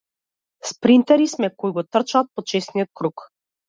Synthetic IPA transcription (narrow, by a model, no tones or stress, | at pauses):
spɾint̪ɛɾismɛkoiɡɔt̪r̩t͡ʃaːt̪̚pɔt͡ʃɛsnijɔt̪̚kɾuk